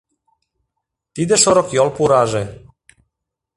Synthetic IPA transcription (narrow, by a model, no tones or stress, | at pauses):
t̪id̪ɛʃɔɾɔkjɔlpuɾaʒɛ